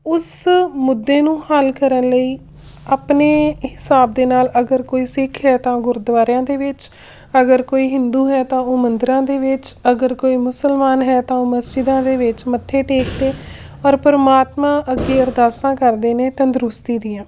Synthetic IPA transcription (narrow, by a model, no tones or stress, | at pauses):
ʊsmʊd̪ːeːnũːhəlkəɾənləiː | aːpneːhɪsaːb̚d̪eːnaːləɡəɾkoːiːsɪkʰɦɛːt̪ãːɡʊɾd̪ʋaːɾjãːd̪eːʋɪt͡ʃ | əɡəɾkoːiːɦɪnd̪uːɦɛːt̪ãːoːmənd̪ɾãːd̪eːʋɪt͡ʃəɡəɾkoːiːmʊsəlmaːnɦɛːt̪ãːoːməsd͡ʒɪd̪ãːd̪eːʋɪt͡ʃmət̪ʰːeːʈeːkt̪eː | ɔːɾpəɾəmaːt̪mãːʔəɡːeːəɾd̪aːsãːkəɾd̪eːneːt̪ə̃nd̪ɾʊst̪iːd̪ɪjãː